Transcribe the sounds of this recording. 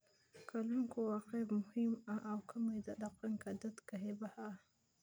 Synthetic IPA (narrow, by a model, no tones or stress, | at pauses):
kʰaluŋkowaqemʊhɪmʔawkʰamid̪ad̪aqaŋkad̪at̪kaɦebaha